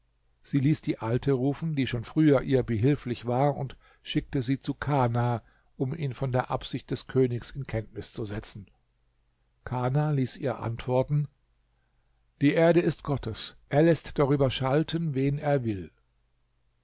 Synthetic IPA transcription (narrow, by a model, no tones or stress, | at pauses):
z̥iːliːsd̥iːʔaltʰəʁuːfn̩diːʃoːnfʁ̥yːɐʔiːɐbəɦɪlflɪçv̥aːɐʊnt | ʃɪk̚təziːt͡sukʰaːnaː | ʔʊmʔiːnfɔndeːɐʔapz̥ɪçt̚d̥ɛskʰøːnɪçsɪnkʰɛntnɪst͡suzɛt͡sn̩ | kʰaːnaːliːsʔiːɐʔa̰ntv̥ɔɐtn̩ | d̥iːʔeːɐdəɪstɡ̥ɔtʰəsʔeːɐlɛstd̥aʁyːbɐʃaltʰənveːneːɐvɪl